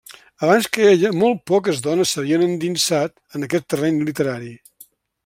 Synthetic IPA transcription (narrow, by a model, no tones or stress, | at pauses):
əβanskəeʎəmɔlˠt̪̚pɔk̬əzðɔnəsːəβiənənd̪insat̪ənəkɛt̪ːərɛɲlit̪əɾaɾi